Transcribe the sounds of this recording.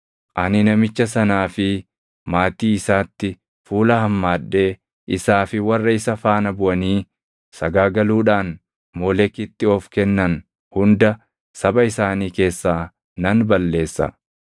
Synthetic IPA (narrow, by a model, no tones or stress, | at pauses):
ʔɐnɪnɐmɪt͡ʃːɐsɐnaːfɪ | maːt̪iːɪsaːt̪ːɪ | fuːlɐhɐmːaːᶑːe̞ː | ʔɪsaːfɪwɐrːɐɪsɐfaːnɐbʊʔɐniː | sɐɡaːɡɐluːᶑaːn | moːlɛkːɪt̪ːɪɔfkɛnːɐn | hʊnd̪ɐ | sɐbɐɪsaːniːke̞ːsːaː | nɐnbɐlːe̞ːsːɐ̰